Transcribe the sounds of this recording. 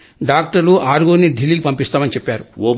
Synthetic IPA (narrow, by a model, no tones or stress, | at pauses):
ɖaːk̚ʈɐɾluʔaːɾɡoːnid̪ʱiliːɡipɐmpist̪aːmɐnit͡ʃepːaːɾu